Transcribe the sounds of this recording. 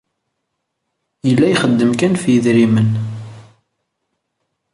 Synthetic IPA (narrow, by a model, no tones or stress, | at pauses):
jəlːæjχəd̪ːəmkænfjəðɾimən